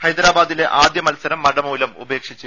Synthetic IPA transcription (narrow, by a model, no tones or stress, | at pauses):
hɐjd̪ɾaːbaːd̪ile̞ʔaːd̪jɐmɐlsɐɾɐmːɐɽɐmuːlɐmṵbeːkʂit͡ɕːu